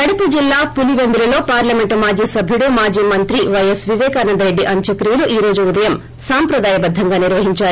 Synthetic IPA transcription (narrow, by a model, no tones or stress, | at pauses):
kɐɽɐpud͡ʒilːaːpuliʋend̪uɾɐlo̞ːpaːɾlɐme̞ɳʈmaːd͡ʒiːsɐbʱjuɽumaːd͡ʒiːmɐnt̪ɾiʋɐjesʋiʋɛːkaːnɐnd̪ɐɾe̞ɖːiʔɐɲt͡ʃɐkɾiːjɐluʔiːɾo̞ːd͡ʒuːd̪ɐjɐm | saːmpɾɐd̪aːjɐbɐd̪ʱːɐŋɡaːniɾʋɐɦiɲt͡ʃaːɾu